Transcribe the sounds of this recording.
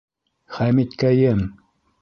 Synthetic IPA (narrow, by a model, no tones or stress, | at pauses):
χæmit̪kæjɘm